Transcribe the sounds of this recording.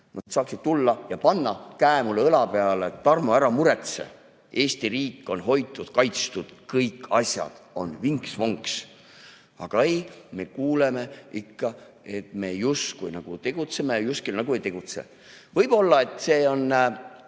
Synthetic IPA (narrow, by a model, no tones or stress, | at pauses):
nɑdd̪̥sɑːksid̪̥̚t̪ulːɑjɑpɑnːɑkæemulːɤlɑpe̞ɑlet̪ːɑrmoæɾɑmuɾe̞t̪se̞̰ | e̞ːst̪iɾiːkːˑo̞nɦo̞jt̪ːˑud̪̥kɑjt̪st̪ud̪̥kɤjkːɑsjɑ̰d̪̥o̞nviŋksvo̞ŋks | ɑ̰ɡ̥ɑejme̞kuːlemeikːɑ | e̞t̪me̞just̪kujnɑɡ̥ut̪e̞ɡ̥ut̪semejuskilnɑɡ̥ue̞jt̪e̞ɡ̥ut̪sḛ | vɤjb̥o̞lːɑe̞t̪ːˑse̞ːo̞nː